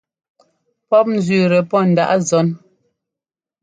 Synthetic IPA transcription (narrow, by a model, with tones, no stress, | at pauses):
pɔ˦p̚n̩˦zɥʉː˨ɾɛ˨pɔ˦˨n̩˨da̰˦˨ʔa˦zɔ˨˦n